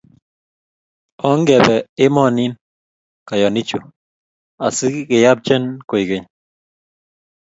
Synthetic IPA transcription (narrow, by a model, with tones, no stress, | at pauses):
ɔ˦ŋɡɛ˨bɛ˨ɪ˦mɔ˦ni˦n | ka˨jɔ˨ni˦t͡ʃu˨ | a˨sɪ˦kɪ˨ja˦b̚t͡ʃɛ˦nko˨i˨ɡe˨ɲ